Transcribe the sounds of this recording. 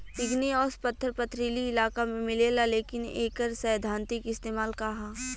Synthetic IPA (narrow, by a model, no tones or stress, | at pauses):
ɪɡneɔːspɐt̪ʰːəɾpət̪ʰɾiːliɪlaːkamẽmɪleːlaleːkɪnḛːkəɾsəjd̪ʱãːnt̪ɪkɪst̪eːmaːlkɐɦaː